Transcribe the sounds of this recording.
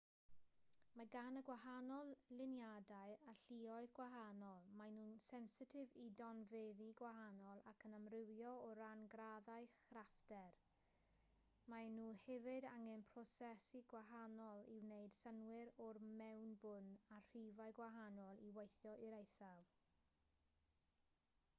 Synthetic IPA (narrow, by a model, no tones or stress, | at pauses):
maɡanəɡwahanɔlˠlɪnjadaɨaɬiɔɨðɡwaɦanɔlˠmajnuːnsɛnsɪtʰɪvidɔnveːðiɡwaɦanɔlˠakʰənamrɪwjɔɔɾanɡraðaɨχraftɛr | manuːhɛvɪdaŋɛnpʰrɔsɛsiɡwaɦanɔlˠɪwneɨd̥sənwɪɾɔrmɛwnbʊnar̥ivaɨɡwaɦanɔlˠiwejθjɔʔiɾejθav